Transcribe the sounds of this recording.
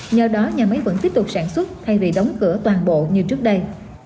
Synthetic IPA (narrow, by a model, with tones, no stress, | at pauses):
ɲəː˨˩ɗɔ˨˦ɲaː˨˩mə˨˦jvə̰˧˥nt̪i˦˥əp̚t̪ʊ˨˩k͡p̚saː˧˩nswə˦˥t̚t̪ʰa˧jvi˨˩ɗə˨˦wŋ͡mkɨ˧˩ət̪waː˨˩nɓo̰˧˨ɲɨ˧t͡ɕɨ˦˥ək̚ɗə˧j